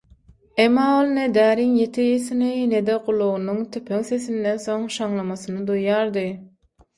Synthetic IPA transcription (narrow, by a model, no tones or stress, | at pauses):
emːɑːolˠned̪æːɾiŋjet̪ʰijesinine̞d̪equlˠːuɣunuŋt̪ʰypʰøŋθeθind̪enθo̞ŋʃɑŋlˠɑmɑθɯnɯd̪ujːɑːɾd̪ɯ